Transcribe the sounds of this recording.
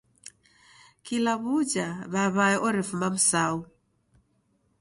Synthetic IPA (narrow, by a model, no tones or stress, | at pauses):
kilaβud͡ʒaβaβaɛʔɔɾifumam̩sau